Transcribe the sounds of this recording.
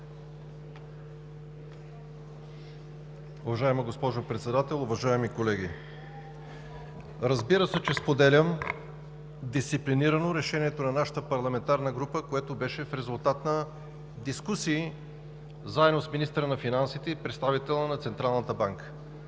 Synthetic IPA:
ʊvɐʒaɛməɡospɔʒopɾɛt̪sɛd̪at̪ɛlˠʊvɐʒaɛmikolɛɡʲi | ɾəzbiɾəsɛt͡ʃɛspod̪ɛlʲəm | d̪ist̪sipliniɾənoɾɛʃɛniɛt̪onɐnaʃə̥t̪əpɐɾlˠɐmɛnt̪aɾnəɡɾupəkoɛt̪obɛʃɛfɾɛzʊlˠt̪at̪nɐ | d̪iskusiː | zaɛd̪nosminist̪əɾənɐfinansit̪ɛipɾɛt̪st̪avit̪ɛlˠənɐt̪sɛnt̪ɾalˠnət̪əbaŋkə̥

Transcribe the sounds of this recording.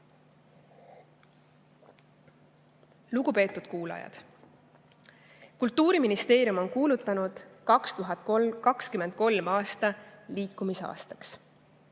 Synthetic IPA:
luɡ̥upe̞ːt̪ːˑud̪̥kuːlɑ̰jɑ̰d̪̥ | kult̪ˑːuːɾiminist̪e̞ːɾjumo̞nkuːlut̪ːˑɑnud̪̥kɑkst̪uɦɑt̪kɑkskyme̞nd̪̥̚ko̞lmɑːst̪ɑliːkːˑumiseɑ̰ːst̪ɑ̥ks

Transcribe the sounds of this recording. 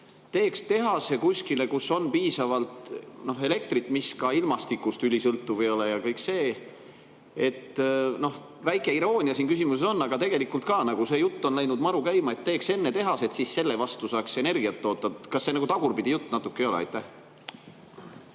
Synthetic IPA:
t̪e̞ːkst̪e̞ɦɑse̞kusʲkile̞kusːo̞npiːsɑvɑlt̪no̞ɦe̞le̞k̚t̪ɾit̪ːˑmiskɑilmɑst̪ikˑːust̪ylʲisɤlt̪ːuvɤjo̞lejɑkɤjkse̞ː | et̪ːno̞h | væjkˑe̞iɾo̞ːnʲiɑsiːnkysimuse̞so̞nːɑɡ̥ɑt̪e̞ɡ̥e̞likːult̪kɑːnɑɡ̥use̞jut̪ˑːo̞nlæjnud̪mɑɾukæjmɑe̞t̪ːe̞ːkse̞nːe̞t̪e̞ɦɑse̞t̪sisse̞lːevɑst̪usɑːkse̞ne̞rɡiɑt̪ːo̞ːt̪ːɑkɑsːe̞nɑɡut̪ɑɡ̥urpid̪̥ijut̪ːˑnɑt̪ːˑukːˑejolḛɑ̰jt̪ːˑæh

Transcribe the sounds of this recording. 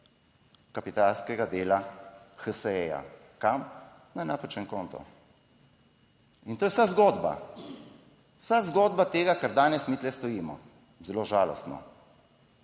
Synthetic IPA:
kapit̪alskɛɡad̪eːlaxəsɛɛja̰ | kam | nanapət͡ʃɛŋkɔːnt̪ɔ̰ | int̪oːjɛwsazɡoːd̪ba̰ | wsazɡoːd̪bat̪eːɡakaɾd̪aːnɛsmit̪lɛst̪ɔjiːmɔ | zɛloːʒaːlɔ̰st̪nɔ̰

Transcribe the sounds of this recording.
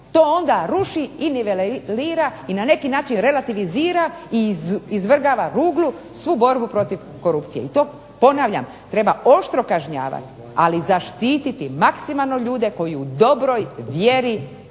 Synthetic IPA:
t̪o̞ːo̞nd̪aɾuʃiineʋelliːɾainane̞kinaːt͡ʃinɾe̞lat̪iʋiziːɾaiizʋr̩ɡaʋaɾuːɡlˠu | sʋuːbo̞ɾbupɾo̞t̪iʋ | ko̞ɾupt̪sijḛit̪o̞ː | po̞naːʋʎa̰m | t̪ɾe̞bao̞ʃt̪ɾo̞kaʒɲa̰ːʋa̰t̪i̥ | a̰lizaʃt̪iːt̪it̪imaksimalˠno̞ʎuːd̪e̞ko̞jiud̪o̞bɾo̞jʋje̞ɾi

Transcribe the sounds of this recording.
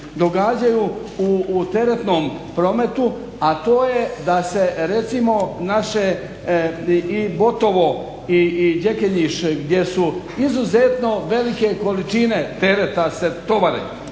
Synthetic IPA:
d̪o̞ɡaːd͡ʑajuut̪e̞ɾet̪no̞ːmpɾo̞me̞t̪u | at̪o̞ːje̞d̪ase̞ɾe̞t̪simo̞naʃe | ibo̞t̪o̞ʋo̞ | id͡ʒe̞keɲiʃɡd̪je̞su | izuzet̪no̞ʋe̞like̞ko̞lit͡ʃine̞t̪eɾet̪aset̪o̞ʋaɾḛ

